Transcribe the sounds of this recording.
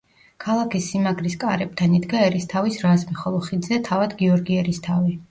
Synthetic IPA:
kʰalˠakʰisːimaɡɾiskʼaɾɛb̥̚t̪ʰanid̪ɡaɛɾist̪ʰavisɾazmiχɔlˠɔχid̪zɛt̪ʰavad̪ɡiɔɾɡiɛɾist̪ʰavi

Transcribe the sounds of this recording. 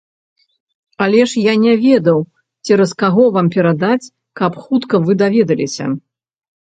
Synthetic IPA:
ɐlʲɛʂjanʲɛvʲɛd̪ɐw | t͡sʲɛɾɐskaɣɔvampʲɛɾad̪at͡sʲ | kɐpxut̪kɐvɨd̪avʲɛd̪ɐlʲesʲɐ̰

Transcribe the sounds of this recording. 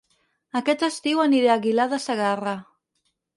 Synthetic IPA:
akɛt̪əst̪iwaniɾeaɣilaðasaɣara

